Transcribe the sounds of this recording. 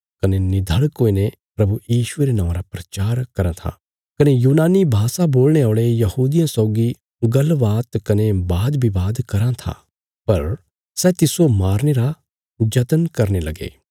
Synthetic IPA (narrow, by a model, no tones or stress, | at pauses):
kɐnenid̪ʱɐɭkoːine | pɾɐbujiːʃʊeɾenãːʋ̃ɾapɾɐt͡ʃaːɾkɐɾãt̪ʰa̰ | kɐnejuːnaːnibʱaːsaboːlneaːɭejɐhuːd̪ijãsɔːɡi | ɡɐlʋaːt̪kɐnebaːd̪bʱibaːd̪kɐɾãt̪ʰa̰ | pɐɾ | sɛːt̪ɪsomaːɾneɾa | d͡ʒɐt̪ənkɐɾnelɐɡḛː